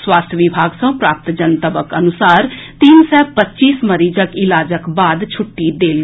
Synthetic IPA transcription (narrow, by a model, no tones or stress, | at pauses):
swaːst̪ʰəʋɪbʱaːɡsə̃ũpɾaːp̚t̪d͡ʒənt̪əbəkənʊsaːɾt̪iːnsɛːpətːt͡ʃiːsməɾiːd͡ʒəkɪlaːd͡ʒəkbaːd̪t͡ʃʰʊʈːiːd̪eːl